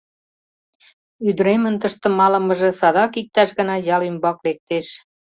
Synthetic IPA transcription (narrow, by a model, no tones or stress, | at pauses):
yd̪ɾemə̆nt̪əʃt̪ə̆mɑlə̆məʒĕsɑd̪ɑkik̚t̪ɑʃɣə̆nɑjɑlymbɑklek̚t̪eʃ